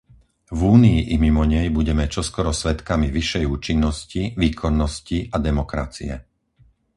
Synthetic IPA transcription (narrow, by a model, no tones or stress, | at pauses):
vuːniiʔimimɔɲɛjbuɟɛmɛt͡ʃɔskɔɾɔsʋɛt̪kamiʋiʃɛjuːt͡ʃinːɔsciʋiːkʰɔnːɔsciʔad̪ɛmɔkɾa̰t͡siɛ̰